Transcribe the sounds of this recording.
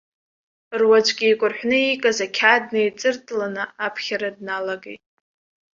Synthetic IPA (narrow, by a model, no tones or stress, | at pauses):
rwad͡ʒʷɡʲijkʷʼʊrħʷnɨikʼazakʲʰad̚nejt͡sʼɨrtʼlanɨapʰχʲaɾadnalaɡejtʼ